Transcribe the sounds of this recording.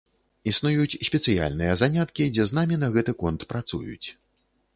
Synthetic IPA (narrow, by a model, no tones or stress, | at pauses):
isnujut͡sʲsʲpʲɛt̪sɨja̰lʲnɨjɐzanʲat̪kʲid͡zʲɛznamʲinɐɣɛt̪ɨkɔnt̪pɾat̪sṵjṵt͡sʲ